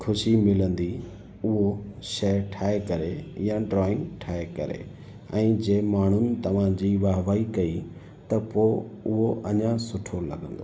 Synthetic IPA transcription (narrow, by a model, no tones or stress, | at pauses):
kʰʊʃimɪlə̃nd̪i | ʊɦoʃɐʈʰaːekɐɾejãɖɾɔːɪ̃ŋɡʈʰaːekɐ̰ɾḛ | ɛ̃ːd͡ʑeːmaːɳ̤ʊnɪ̆t̪ɐʋ̤ãd͡ʑiːʋaːʋaːikɐi | t̪ɐpoːʊɦoʔɐɲãsʊʈʰolɐ̰ɡə̃nd̪oː